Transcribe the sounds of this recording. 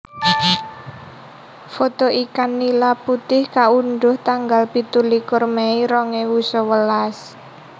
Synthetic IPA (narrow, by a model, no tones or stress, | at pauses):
fot̪ɔʔikanːilaput̪ɪhkaunɖ̪ʊht̪aŋɡalpit̪ulikʊrmeiɾɔŋewusɔwəlas